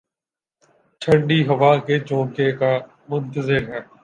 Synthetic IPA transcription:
t͡ʃʰəɳɖiːɦəʋaːkeːt͡ʃõːkeːkaː | mʊnt̪əzɪɾɦɛː

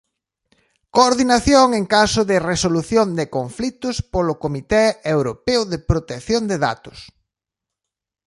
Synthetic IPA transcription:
koːɾðinaθjoŋeŋkasʊðɪresoluθjond̪ɪkoɱflit̪ʊspolʊkomit̪ɛewɾopeʊðepɾot̪ekθjond̪eða̰t̪ʊ̥s

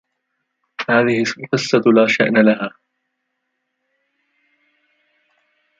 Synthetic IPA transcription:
haːðɪhɪqɨsːalaːʃa̰ʔnaːlaɦaː

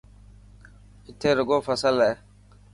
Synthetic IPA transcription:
itːeɾəɡofasalːaɛ

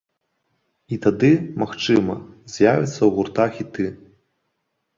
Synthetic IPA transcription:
it̪ad̪ɨmaxt͡ʂɨmɐ̰zʲjavʲɛ̰t̪sːɐwɣurt̪axʲit̪ɨ

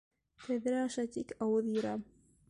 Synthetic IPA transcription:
t̪æðɾæɑʃɑt̪ikɑwɤðjɤ̆ɾɑ

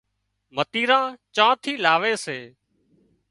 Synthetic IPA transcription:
mət̪iːɾãːt͡ʃãːt̪ʰiːlaːʋeːseː

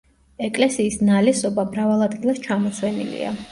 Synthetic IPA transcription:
ɛkʼlɛsiːsnalɛsɔbamɾavalˠad̪ɡilˠast͡ʃʰamɔsʰwɛnḭlḭa̰

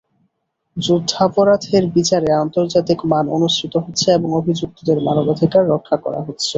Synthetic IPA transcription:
d͡ʑud̪ʱːapoɾat̪ʰeɾbit͡ɕaɾeant̪oɾd͡ʑat̪ikmano̰nuʃʈʰit̪oɦotːɕʰeeboŋobʱid͡ʑuk̚t̪od̪eɾmanobad̪ʱikaɾːokʰːakɔ̰ɾa̰ɦotːɕʰe

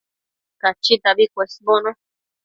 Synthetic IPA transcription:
kat͡ʃit̪aβikʷesmõnõ

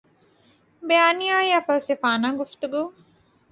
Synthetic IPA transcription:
beaːnijaːjɐfɐsefaːnaːɡuft̪uɡuː

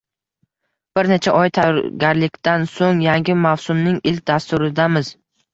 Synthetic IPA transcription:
b̥ɪɾnet͡ʃʰaʔɒjt̪ʰajɒɾɡʲaɾlɪkʲt̪ansoŋjaŋɡʲɪmawsʊmnɪŋɪlʲk̚ʲd̪ast̪ʊɾɪd̪amɪz̥

